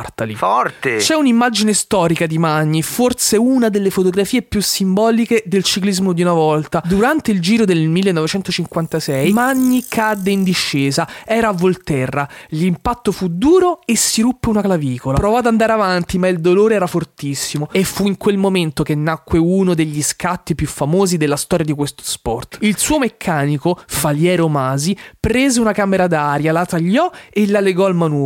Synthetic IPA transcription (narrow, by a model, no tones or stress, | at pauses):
rt̪alifɔrt̪et͡ʃɛunimːad͡ʒinest̪ɔːɾikad̪imaɲːiforseunad̪elːefot̪oɡɾafiːepjusːimbɔːliked̪elt͡ʃiklizmod̪iunavɔlt̪ad̪uɾant̪eild͡ʒiːɾod̪elmilːenːɔvet͡ʃɛnt̪ot͡ʃiŋkwant̪asɛjmaɲːikʰad̪ːeind̪iʃːeːzaɛːɾaːvːolt̪ɛrːalimpat̪ːofud̪uːɾoesːiɾupːeunaklaviːkolapɾovɔad̪and̪aːɾeavant̪imaild̪oloːɾeɛːɾafort̪isːimoefːuiŋkwelmoment̪okenːakːweunod̪eʎːiskat̪ːipjufːamoːzid̪elːast̪ɔːɾjad̪ikwest̪o̥spɔ̰rt̪ilsuːomekʰːaːnikofaljɛːɾomaːzipɾeːzeunakameɾad̪aɾjalat̪aʎːɔelaleɡɔalmanɔː